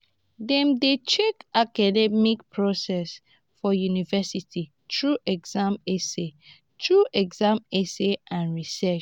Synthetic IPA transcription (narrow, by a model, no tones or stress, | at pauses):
dɛ̃mdet͡ʃekakadɛmikpʰɹɔsɛs | fɔjunivɛsiti | tʰɹuʔɛɡzãmese | tʰɹuʔɛɡzãmeseʔãnɹisɛʃ